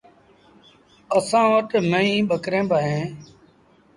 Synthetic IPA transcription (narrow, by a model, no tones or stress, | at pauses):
əsãːʋəʈməĩːɓəkɾẽːbaɦẽː